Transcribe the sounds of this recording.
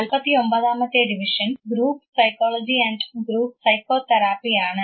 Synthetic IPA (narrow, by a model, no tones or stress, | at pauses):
ɐlpɐt̪iombɐd̪aːmɐt̪eːɖiʋiʃɐnɡɾuːpsɐjkɔːlɔːd͡ʒiɛɳɖɡɾuːp̚sɐjkoːt̪ɐɾaːpiaːɳɐ